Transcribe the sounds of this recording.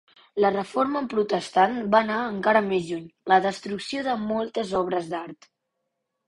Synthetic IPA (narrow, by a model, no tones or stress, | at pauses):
lərəfoɾməmpɾut̪əst̪anbanaəŋkaɾəmezʒuɲləðəst̪ɾuksioðəmɔlˠt̪əzɔβ̞ɾəzd̪aɾt̪